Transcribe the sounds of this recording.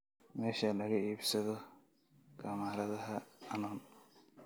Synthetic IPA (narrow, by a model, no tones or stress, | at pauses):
mɛːʃɐlɐɣɐiːbsɐðɔ | ɡ̥ɐmaːɾɐðɐɦɐɐnɔːn